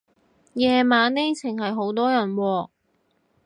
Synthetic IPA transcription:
jɛː˨˧maː˨˥ne˥jt͡sʰɪ˨˩ŋɦɐ˨jɦo˨˥wt̪ɔː˥jɐ˨˩nwɔː˧

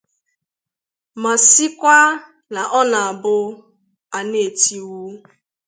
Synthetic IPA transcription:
ma˨si˦kʷa˦ | na˨ʔɔ˦na˨a˨bʊ˦ | a˨ne˨ti˨wu˦

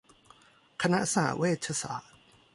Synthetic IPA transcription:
kʰa˧na˦˥saa˩˨˦weː˥˩t̪̚pʰa˧sa̰ː˨˩˦t̪̚

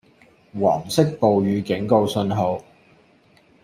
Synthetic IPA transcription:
wa̰ː˨˩msɪ˥k̚po˨wjyː˨˧kɪ˨˥ŋko˧wsɵ˧nɦo˨˧w

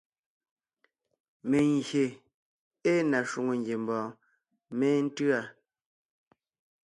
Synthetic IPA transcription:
me˨ŋ˨ɡje˨ | e˦na˨ʃu˨ŋo˨ŋ˨ɡje˨m̩˨bɔ̃ː˨ | mɛː˦n̩˦tɰa˦˨

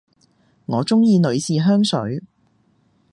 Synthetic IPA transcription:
ŋɔː˨˧t͡sʊ˥ŋjiː˧nɵ˨˧ɥsiː˨ɦœː˥ŋsɵ˨˥ɥ

